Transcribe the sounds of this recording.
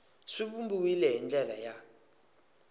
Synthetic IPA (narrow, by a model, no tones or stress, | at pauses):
siɓumbuwilɛɦind͡ɮʱʼɛlaja